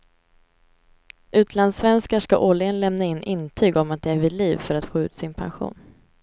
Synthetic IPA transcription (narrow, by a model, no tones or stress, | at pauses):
ʔʉ̟ːt̪ʰland̪svɛnskaʂka̰ʔɔlːɪənlɛmnaɪnːʔɪnt̪ʰyːɡɔmat̪̚d̪ɛæɾvɪd̪liːvfœɾat̪foːʉ̟ːt̪sɪnpʰa̰nɧṵːn